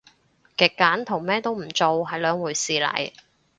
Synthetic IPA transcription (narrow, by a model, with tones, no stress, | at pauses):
kɪ˨˩kːaː˨˥nt̪ʰʊ˨˩ŋmɛː˥t̪o˥wm̩˨˩t͡so˨wɦɐ˨jlœː˨˧˥ŋwuː˨˩jsiː˨˧lɐ̰˨˩j